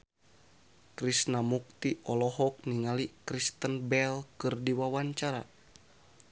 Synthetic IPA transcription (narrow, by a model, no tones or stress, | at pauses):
kɾisnamuk̚t̪iʔɔlɔɦɔk̚niŋalikɾist̪ənbɛlkɨrdiwawaɲt͡ʃaɾa̰